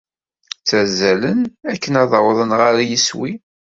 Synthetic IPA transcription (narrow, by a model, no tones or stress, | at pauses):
t͡sːæzːælənækːənɑðˤəwðˤənʁaɾajiswi